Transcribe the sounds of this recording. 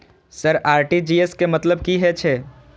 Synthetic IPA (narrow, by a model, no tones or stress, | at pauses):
səɾaːɾʈid͡ʒieskemɐt̪ləbkiɦɛt͡ʃʰɛ